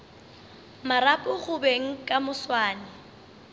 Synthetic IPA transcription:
maɾapʼʊχʊbeŋ̩kʼamʊswaːnɛ

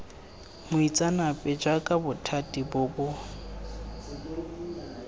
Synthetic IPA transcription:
mʊit͡sʼanapʼɛd͡ʒwakʼabʊtʰatʼibʊbʊ

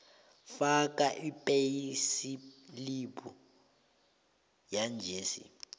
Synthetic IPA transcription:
fak̬ʼaʔipʼejisiliɓu | jand͡ʒʱeːsḭ

